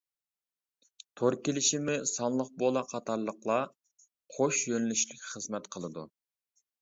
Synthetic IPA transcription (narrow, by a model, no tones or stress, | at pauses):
t̪ʰoɾkʲelɪʃimɪsɑnlˠəq̚bolˠɑqʰɑt̪ʰɑɾlˠəqlˠɑ | qʰoʃjønylyʃlɪkʲχəzmɛt̪qʰəlˠɨd̪ṵ